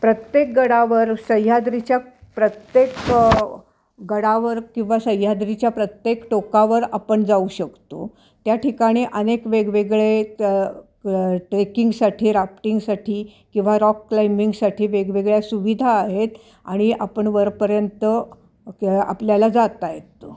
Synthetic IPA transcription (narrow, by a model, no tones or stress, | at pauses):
pɾət̪jek̚ɡəɽaʋəɾsəjad̪ɾit͡ɕjapɾət̪jek | ɡəɽaʋəɾkĩw̃ʋasəjːad̪ɾit͡ɕjapɾət̪jekʈokaʋəɾapəɳd͡zauɕəkt̪o̰ | t̪jaʈʰikaɽ̃iːʔənekʋeɡʋeɡɭe | ʈɾekiŋɡsaʈʰiːɾapʈiŋɡsaʈʰiːkĩw̃ʋaɾɔkːlaimiŋɡsaʈʰiːʋeɡʋeɡɭjasuʋid̪ʱaːɦet̪ | a̰ɽ̃iʔapəɳʋəɾpəɾjənt̪ə | a̰pljalad͡zat̪aɦet̪ːo